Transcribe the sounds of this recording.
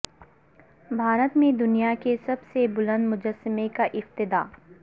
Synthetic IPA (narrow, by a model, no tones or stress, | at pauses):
bʱaːɾət̪mẽd̪ʊnijakesɐbsebʊlə̃nd̪mʊd͡ʒəsːəmekaʔɪft̪ɪd̪aː